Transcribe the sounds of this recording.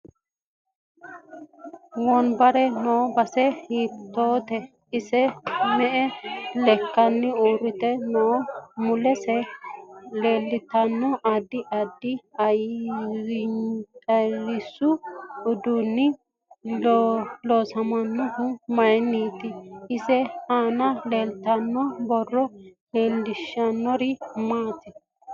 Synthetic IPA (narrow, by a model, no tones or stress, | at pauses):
wɔnbɐɾɛnobɐsɛhiːt̪ːoːt̪ɛ | ɪsɛmɛʔɛlɛkːɐnːɪuːɾɪt̪ɛnomʊlɛsɛ | le̞ːlːɪt̪ːɐnːɔʔad̪ːɪʔɐd̪ːɪɐj | ɐlɪsʊʊd̪unːɪ | loːsɐmɐnːɔhʊmɐjnːiːt̪ɪɪsɛhaːnɐleːlt̪ɐnːɔbɔrːɔleːlːɪʃɐnːɔɾɪmaːt̪ɪ